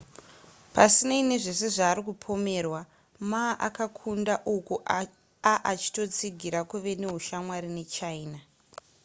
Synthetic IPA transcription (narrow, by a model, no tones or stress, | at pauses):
pasinaine̞ʐe̞se̞ʐaːɾikupʰo̞me̞ːrwa | maʔa̰kakʰundaʔuku | aʔat͡ʃi̥to̞t͡siɡʱiɾakuʋe̞ne̞ɦuʃamwaɾine̞t͡ʃaiːna